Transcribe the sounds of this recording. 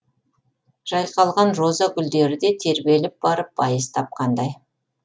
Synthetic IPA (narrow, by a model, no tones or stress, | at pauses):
ʒ̥ɑjqʰɑlˠʁɑnʒo̞zɑɡʲʏld̪e̞ɾɪd̪e̞t̪ʰe̞ɾbe̞lɪp̚b̥ɑɾəp̚bɑjəzt̪ʰɑp̚qʰɑnd̪ɑj